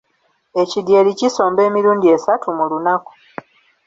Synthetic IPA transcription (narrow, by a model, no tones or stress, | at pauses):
e̞cidjeliciso̞ːmbe̞ːmiɾuːndie̞satumulunaku̥